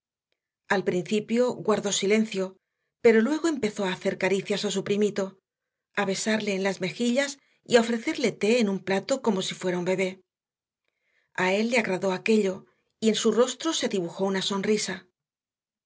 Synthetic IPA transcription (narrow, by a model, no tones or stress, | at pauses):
alpɾinθipjo̞ɡwaɾðo̞sile̞nθjo̞ | pe̞ɾo̞lwe̞ɣ̞o̞e̞mpe̞θo̞aːθe̞ɾkaɾiθjasas̬upɾimit̪o̞ | aβe̞saɾle̞ːnlazme̞xiʎas | iao̞fɾe̞θe̞ɾle̞t̪e̞ːnumplat̪o̞ko̞mo̞sifwe̞ɾaumbe̞β̞e̞ | ae̞lːe̞aɣɾaðo̞ake̞ʎo̞ | ie̞nsuro̞st̪ɾose̞ðiβuxo̞unaso̞nrisa